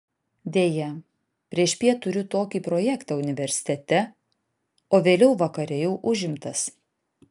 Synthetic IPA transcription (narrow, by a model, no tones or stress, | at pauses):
d̪ʲeːjɛ | pʲɾʲiɛʃpʲiɛt̪ʊɾʲʊt̪oːkʲiːpɾɔjɛkt̪ɑːʊnʲɪʋʲɛɾʲsʲɪ̥t̪ʲɛt̪ʲɛ | oːʋʲeːlʲɛʊʋɐkɐɾʲɛjɛʊʔʊʒʲɪmt̪ɐs